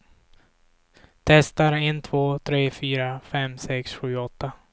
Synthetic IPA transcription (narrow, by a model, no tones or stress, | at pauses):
t̪ʰɛst̪aɾɛnt̪ʰvoːt̪ʰɾeːfyːɾafɛmsɛksɧʉ̟ːɔt̪ːa